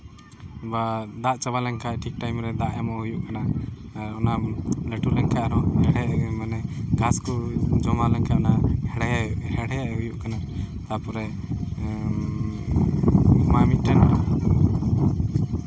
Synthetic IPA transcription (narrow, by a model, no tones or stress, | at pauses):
bad̪aʔt͡ʃaβalɛŋkʰaʈʰik̚ʈajmɾɛd̪aʔɛmɔujuʔkanaː | ɾɔnalɛʈulɛŋkʰaʔaɾɔhɛɽɛmanɛɡaskɔd͡ʒɔmalɛŋkʰaɔnahɛɽɛjauʔhɛɽɛjaɦujuʔkana | t̪apɔɾɛ | mamiʈɛn